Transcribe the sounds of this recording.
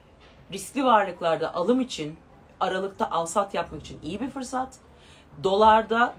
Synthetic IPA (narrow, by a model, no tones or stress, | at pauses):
ɾiskcʲlʲivaɾlˠɯklˠaɾd̪a̰ʔalˠɯmit͡ʃʰin | aɾalˠɯk̚t̪ʰaʔalˠsat̪japmaki̥t͡ʃʰinijibiɾfɯɾsat̪ | d̪o̞lˠaɾd̪a